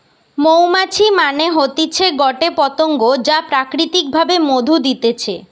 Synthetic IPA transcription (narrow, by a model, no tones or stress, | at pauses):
mowmat͡ɕʰimaneɦot̪it͡ɕʰeɡɔʈepɔt̪oŋɡod͡ʑapɾakɾit̪ik̚bʱabemod̪ʱud̪it̪et͡ɕʰe